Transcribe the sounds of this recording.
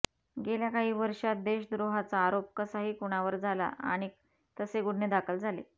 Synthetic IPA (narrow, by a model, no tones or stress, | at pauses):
ɡeljakaɦiːʋəɾʂat̪̚d̪eɕd̪ɾoɦat͡saːɾop̚kəsaɦiːkuɽ̃aʋəɾd͡zʱala̰a̰ɽ̃i | t̪əseɡuɽ̤ned̪akʰəld͡zʱalḛ